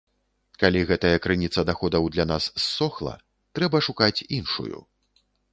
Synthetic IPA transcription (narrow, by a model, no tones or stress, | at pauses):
kalʲiɣɛt̪ɐjɐkɾɨnʲit̪sɐd̪axɔd̪ɐwd̪lʲanasːɔxlˠɐ̰ | t̪ɾɛbɐʂukat͡sʲinʂṵjṵ